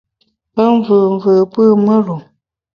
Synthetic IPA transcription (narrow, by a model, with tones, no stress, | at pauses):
pə˦ɱ˦və˨ɱ˨və˨pɨ˦mə˦ɾu˨